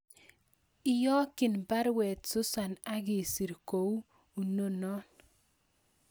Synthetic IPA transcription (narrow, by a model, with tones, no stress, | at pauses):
ɪ˦jɔ˦kɪ˨nba˦ɾwɛ˨tsʊ˦sa˨na˦ɣɪ˨si˨ɾko˨u˦ | u˨no˦nɔ˦n